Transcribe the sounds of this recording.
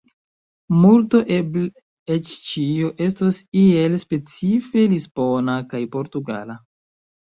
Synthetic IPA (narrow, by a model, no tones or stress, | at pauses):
multoʔebl | et͡ʃt͡ʃioʔe̞s̬tosie̞lspe̞t͡sife̞lispo̞nakajpo̞ɾtuɡa̰la